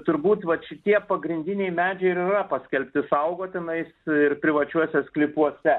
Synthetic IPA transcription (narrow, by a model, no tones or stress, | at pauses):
t̪ʊɾbuːt̪ʋɐt̪ʃʲɪt̪ʲiɛpɐɡɾʲɪnʲd̪ʲɪnʲɛɪmʲæːd͡ʒʲɛɪɾirɐpɐsʲkʲɛlʲpʲt̪ʲɪsɐʊɡoːt̪ʲɪnɐɪsɪrpʲɾʲɪʋɐt͡ʃʲuɔsʲɛsklʲɪpuɔsʲɛ